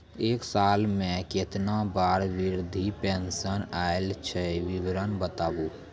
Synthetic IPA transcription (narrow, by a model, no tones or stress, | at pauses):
eːksaːlmẽket̪nabaːɾwɪɾd̪ʱipensənaelt͡ʃʰɛwɪʋɾənbət̪aːbũ